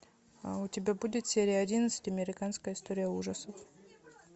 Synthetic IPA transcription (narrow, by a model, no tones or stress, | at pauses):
aʊtʲɪbʲabudʲɪt̪sʲeɾʲɪjəɐdʲinət̪sɨ̥tʲɐmʲɪɾʲɪkanskəjəɪst̪oɾʲɪjəuʐəsəf